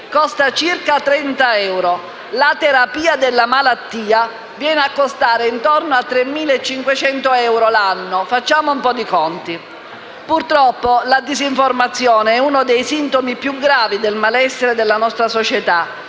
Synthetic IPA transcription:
kɔst̪at͡ʃirkat̪ɾɛnt̪aɛwɾo | lat̪eɾapiːad̪elːamalat̪ːiːa | vjɛːneakːost̪aːɾeint̪ɔrnoat̪ːɾemːiːleet͡ʃːiŋkwet͡ʃɛnt̪oɛwɾolanːofat͡ʃːaːmoumpɔd̪ikɔnt̪i | purt̪ɾɔpːolad̪iziɱformat̪sːjoːneɛunod̪ejsint̪omipjuɡɾaːvid̪elmalɛsːeɾed̪elːanɔst̪ɾasot͡ʃet̪a

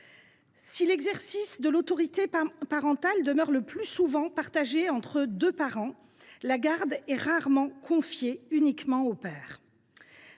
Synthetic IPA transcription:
silɛɡzɛʁsisd̪əlot̪ɔʁit̪epaʁɑ̃t̪ald̪əmœʁləplysuvɑ̃paʁt̪aʒeɑ̃t̪χəd̪øpaʁɑ̃ | laɡaʁd̪ɛʁaʁmɑ̃kʰɔ̃fjeynikmɑ̃opɛːʁ

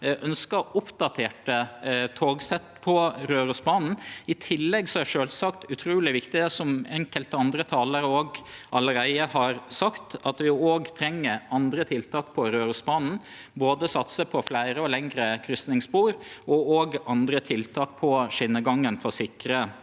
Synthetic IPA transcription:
ʔœnskəʔʊpd̪ɑt̪ʰeːʈət̪ʰoːɡsɛt̪pʰɔɾøːɾʉsbɑːnn̩ɪt̪ʰɪlːɛɡsɔæʂøːlsɑkt̪ʉt̪ʰɾuːlɪʋɪkt̪ɪd̪ɛsɔmɛŋkəlt̪ɑnd̪ɾət̪ʰɑːləɾəoːɡʔɑləɾæɪəhɑɾsɑkt̪ʰɑt̪ʋɪoːɡt̪ʰɾɛŋːəɾɑnd̪ɾət̪ʰɪlt̪ʰɑːkpʰɔɾøːɾʉsbɑːnn̩ | boːd̪əsɑt̪səpʰɔflæɪɾəɔlɛŋɾəkʰɾʏst̪nɪŋspuːɾʔɔoːɡɑnd̪ɾət̪ʰɪlt̪ʰɑːk̚pʰɔʂɪnːəɡɑŋənfɔsɪkɾə

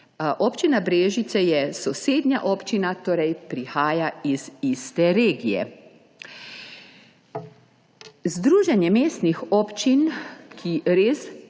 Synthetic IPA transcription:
ʔɔːpt͡ʃinabɾeːʒit̪sɛjɛsɔseːd̪njaʔɔːpt͡ʃinat̪oːɾɛjpɾixaːjaizist̪ɛɾeːɡijɛ̰ | zd̪ɾuːʒɛnjɛmeːst̪nixɔːpt͡ʃinkʰiɾeːs

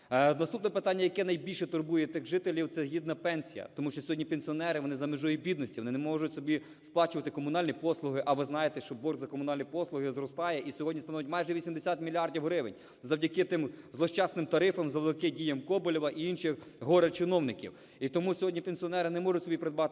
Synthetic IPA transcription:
nɐst̪upnɔpɪt̪ɑnʲːɐjɐkɛnɐjbʲilʲʃɛt̪ʊrbujɛt̪ɪxʒɪt̪elʲiwt̪sɛɦʲid̪nɐpɛnsʲijɐ̰t̪ɔmuʃt͡ʃɔsʲɔɦɔdʲnʲipenʲsʲiɔnɛɾɪʋɔnɪzɐmɪʒɔjibʲid̪nɔsʲiʋɔnɪnɛmɔʒʊtʲsɔbʲi | splˠɑt͡ʃʊʋɐt̪ɪkɔmʊnɑlʲnʲipɔslˠʊɦɪʔɐʋɪznɑjet̪ɛʃt͡ʃɔbɔrɡzɐkɔmʊnɑlʲnʲipɔslˠʊɦɪzɾɔst̪ɑjɛʔisʲɔɦɔdʲnʲist̪ɐnɔʋjɪtʲmɑjʒɛʋʲisʲimd̪esʲat̪mʲilʲiɑrdʲiwɦɾɪʋɪ̰nʲ | zɐwdʲɐkɪt̪ɪmzlˠɔʃt͡ʃɑsnɪmt̪ɐɾɪfɐmzɐʋlˠɪkɪdʲijɐmkɔbɔlʲiʋɐʔiinʃɪx | ɦɔɾɐt͡ʃɪnɔwnɪkʲḭw | it̪ɔmusʲɔɦɔdʲnʲipenʲsʲiɔnɛɾɪnɛmɔʒʊtʲsɔbʲipɾed̪bɑt̪

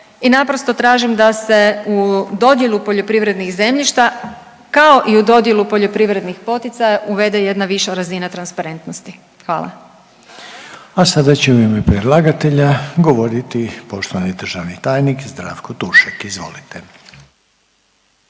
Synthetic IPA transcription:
inapɾo̞st̪o̞t̪ɾaːʒimd̪ase̞ud̪o̞d̪je̞lˠupo̞ʎo̞pɾiʋɾe̞d̪nixze̞mʎiʃt̪a | kao̞ʔiud̪o̞d̪je̞lupo̞ʎo̞pɾiʋɾe̞d̪nixpo̞t̪it̪sajaʔuʋe̞d̪e̞je̞d̪naʋiʃaɾazinat̪ɾanspaɾe̞nt̪no̞st̪i | xʋa̰ːlˠa̰ | asad̪at͡ɕeuimepɾed̪lˠaɡat̪eʎaɡo̞ʋo̞ɾit̪ipo̞ʃt̪oʋanid̪r̩ʒaʋnit̪aːjnikzd̪ɾa̰ːʋkot̪uʃakizʋo̞̰lit̪e

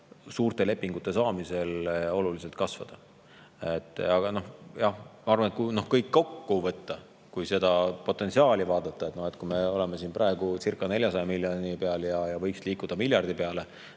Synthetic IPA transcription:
suːrt̪e̞le̞pːiŋɡ̥ut̪ːˑe̞sɑːmise̞lo̞lulis̬e̞lt̪̚kɑsvɑ̰d̪̥ɑ | et̪ːˑɑɡ̥ɑno̞hjɑhmɑɑrvɑnet̪kuno̞hkɤjkːo̞kːuvɤt̪ːɑ | kujse̞d̪̥ɑpo̞t̪ːˑe̞nsiɑːlʲivɑːd̪̥ɑt̪ːˑɑet̪nohe̞t̪kume̞o̞le̞mes̬iːnprʔɑe̞ɡ̥ut͡sirkːˑɑne̞lʲjɑsɑjɑmiljonipeɑljɑjɑvɤjksliːkˑud̪̥ɑmilʲjɑrd̪̥ipeɑle

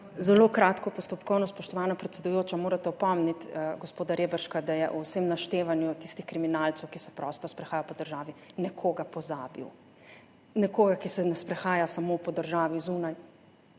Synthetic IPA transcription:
zɛlokɾaːt̪kɔpɔst̪ɔpkɔwnɔspɔʃt̪ɔʋaːnapɾɛt̪sɛd̪ujoːt͡ʃamoːɾat̪ɛɔpɔmnit̪ɡɔspoːd̪aɾeːbəɾʃkad̪ajɛʔuwsemnaʃt̪eːʋanjut̪ist̪ixkɾiminalt̪sɛwkisɛpɾɔst̪ɔspɾɛxaːjapɔd̪əɾʒaːʋinɛkʰoɡapɔzaːbḭw | nɛkoːɡakisɛnɛspɾɛxaːjasamopɔd̪əɾʒaːʋizuːnaj

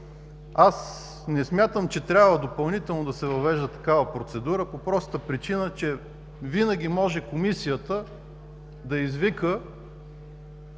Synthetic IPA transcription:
as | nɛsmʲjat̪əmt͡ʃɛt̪ɾʲabvəd̪opɐlˠnit̪ɛlˠnod̪ɐsɛvɐvɛʒd̪ət̪ɐ̥kavəpɾot̪sɛd̪uɾəpopɾɔst̪əpɾit͡ʃinət͡ʃɛ | vinəɡʲimɔʒɛkomisijət̪ə | d̪ɐizvikə

